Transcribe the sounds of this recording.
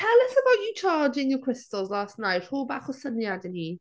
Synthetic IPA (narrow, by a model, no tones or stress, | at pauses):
tʰɛlˠɪsəbawʔut͡ʃʰaːd͡ʒɪnjəkʰɹ̥ɪstəlˠzlaːstnajthuːbaːχɔsənjadɛni